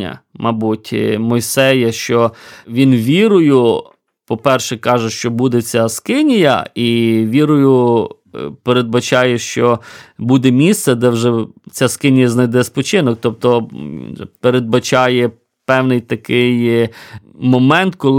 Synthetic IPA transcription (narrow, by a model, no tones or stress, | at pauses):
ɐ̰mɐbutʲmɔjsɛjɐʃt͡ʃɔʋʲinʋʲiɾʊjʊ | pɔpɛrʃɛkɑʒɛʃt͡ʃɔbud̪ɛt͡sʲaskɪnʲijɐ̰iʋʲiɾʊjʊ | peɾed̪̚bɐt͡ʃɑjɛʃt͡ʃɔbud̪ɛmʲist̪sɛd̪ɛwʒɛt͡sʲaskɪnʲijɐznɐjd̪ɛspɔt͡ʃɪnɔk̚t̪ɔp̚t̪ɔ | peɾed̪̚bɐt͡ʃɑjɛ | pɛwnɪjt̪ɐkɪj | mɔmɛnt̪kɔlˠ